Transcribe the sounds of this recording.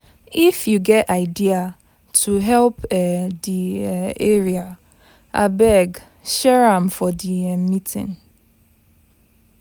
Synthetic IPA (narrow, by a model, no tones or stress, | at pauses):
ifjuɡɛtaɪdia | tʰuɦɛlpɛdieɹia | ʔa̰bɛɡ | ʃɛɹãmfɔdiɛmitʰḭ̃n